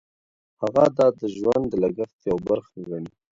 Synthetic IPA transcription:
haɣad̪ɑd̪əʒʒwand̪əlaɡaxt̪jawbaɾxwani

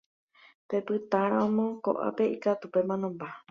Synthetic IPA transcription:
pepɨt̪aɾaõmõko̰ʔa̰peikat̪upemãnõmba

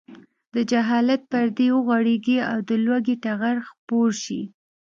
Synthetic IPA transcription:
d̪əd͡ʒaɦɑlat̪̚paɾd̪ewəɣaɽeɡiawd̪əlwaɡeʈaɣaɾxpoɾʃḭ

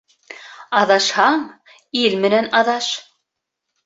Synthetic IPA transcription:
ɑðɑʃhɑɴ | ilmɘ̆nænɑðɑʃ

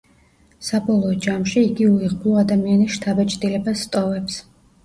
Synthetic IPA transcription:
sabɔlˠɔːd͡ʒamʃiːɡiuiʁbluad̪amianisʃt̪ʰabɛt͡ʃʼd̪ilɛbasːt̪ʼɔvɛps

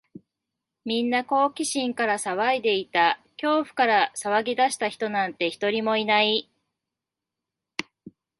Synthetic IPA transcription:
mʲĩnːako̞ːkʲiɕĩŋkaɾasaβaid̪e̞it̪akʲo̞ːɸɯ̟̥kaɾasaβaɡʲid̪aɕi̥t̪açi̥t̪o̞nãnt̪e̞çi̥t̪o̞ɾʲimo̞inai

